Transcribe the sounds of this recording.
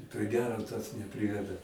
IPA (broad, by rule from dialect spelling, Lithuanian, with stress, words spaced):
pʲrʲɪ ˈɡʲæːroː tɐs nʲɛˈpʲrʲɪʋʲɛdɐ